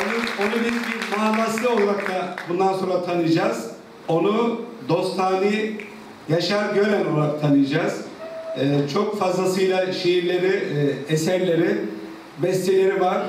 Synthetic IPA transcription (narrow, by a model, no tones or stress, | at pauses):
onuo̞nubizbimuɦanːaslˠɯo̞lˠaɾaklabund̪anso̞nɾat̪ʰanɯjd͡ʒaz | o̞nud̪o̞st̪ʰaːnɯj | jaʃaɾɟøɾɛnolˠaɾak̚t̪ʰanɯjad͡ʒaz̥ɛt͡ʃʰokfazlˠasɯjlˠaʃejiɾlʲe̞ɾiesæɾlʲe̞ɾi | bɛst̪ʰelʲe̞ɾivaɾ̥